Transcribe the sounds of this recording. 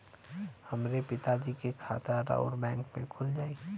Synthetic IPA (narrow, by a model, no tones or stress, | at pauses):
həmɾepɪt̪ad͡ʒikekʰa̰ːt̪əɾa̰ʊɾbɛ̃ːŋkmẽkʰʊld͡ʒaːiː